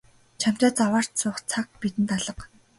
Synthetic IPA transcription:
t͡ɕʰam̥t̪ʲaːt͡sawaːr̥t̪t͡sʊːχt͡sʰak̚pit̪ɘ̆nt̪aɮə̆q

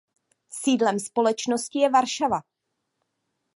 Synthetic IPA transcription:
siːdlɛmspo̞lɛt͡ʃno̞scɪjɛvaɾʃava

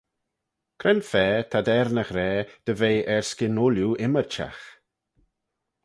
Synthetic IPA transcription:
kʰɾɛnfɛːt̪ʰad̪ɛɾnəxɾɛːd̪̥əvejʔɛɹskɪnʊljuʔɪməɾt͡ʃa̰x

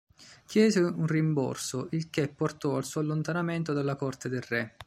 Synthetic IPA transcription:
kjɛːzeunrimbɔ̰rsoʔilkepːort̪ɔalsuːalːont̪anament̪od̪alːakɔrt̪ed̪elrɛ

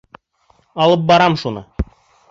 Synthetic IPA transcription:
ɑlˠɤp̚bɑɾɑmʃunɤ̰

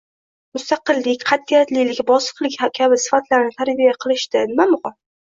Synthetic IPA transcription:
mʊst̪ɑqɨlːɪkʲqʰɑt̪ʰːijat̪lilɪkʲbɒsɨ̥qlˠɪkʲhakʲʰabɪsɪ̥fat̪laɾnɪt̪ʰaɾbijaqʰɨlˠɪʃt̪ɪnɪmamʊqɒ

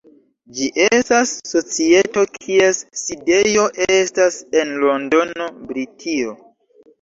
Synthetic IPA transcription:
d͡ʒiʔe̞stasːo̞t͡sie̞to̞kʰie̞sside̞jo̞ʔestase̞nlo̞ndo̞no̞bɾitʰio̞

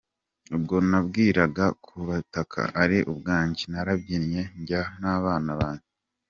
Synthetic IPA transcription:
ub̚ɡo̞nabɡiːɾaɡakʰuβatakʰa̰ʔaɾiʔubɡaːɲɟinaɾabɟinɲe̞ɲɟanaβaːnaβaːɲi

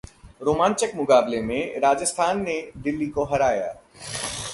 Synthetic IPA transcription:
ɾoːmãːnt͡ʃəkmʊkaːblemẽɾaːd͡ʒəst̪ʰaːnːeɖɪlːikoɦɐɾaːja̰ː

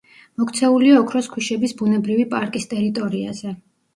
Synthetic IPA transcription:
mɔkʰt̪sʰɛuliaɔkʰɾɔskʰwiʃɛbisbunɛbɾivipʼaɾkʼist̪ʼɛɾit̪ʼɔɾiaz̥ɛ

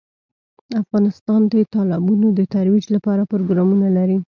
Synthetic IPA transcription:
afɣɑnɪst̪ɑnd̪ət̪ɑlɪbunod̪ət̪aɾwid͡ʒlapɑɾapɾoɡɾɑmunalaɾi

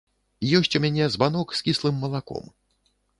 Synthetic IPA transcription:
jɔsʲt͡sʲumʲanʲɛzbanɔkskʲislˠɨmːɐlˠakɔ̰m

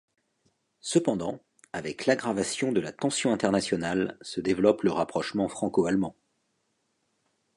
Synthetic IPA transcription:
səpɑ̃d̪ɑ̃ | avɛklaɡʁavasjɔ̃d̪əlat̪ɑ̃sjɔ̃ɛ̃t̪ɛʁnasjɔnalsəd̪evlɔpləʁapχɔʃmɑ̃fχɑ̃koalmɑ̃

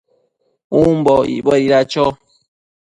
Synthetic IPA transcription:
um̩bɔḭbɔiɾat͡ʃɔ

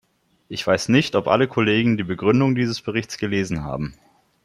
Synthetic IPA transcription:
ʔɪçv̥aɪsnɪçtɔpʔa̰ləkʰoleːɡŋ̩diːbəɡʁʏndʊŋdiːzəsb̥əʁɪçt͡sɡ̥əleːzn̩ɦa̰ːbm̩

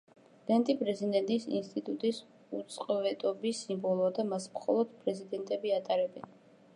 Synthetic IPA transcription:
d̪ɛnt̪ʼipʼɾɛzid̪ɛnt̪ʼisḭnst̪ʼit̪ʼut̪ʼis | ut̪sʼqʼɔvɛt̪ʼɔbisimbɔlˠuad̪amasmχɔ̰lˠɔd̪̥pʼɾɛzid̪ɛnt̪ʼɛbiat̪ʼaɾɛbɛn

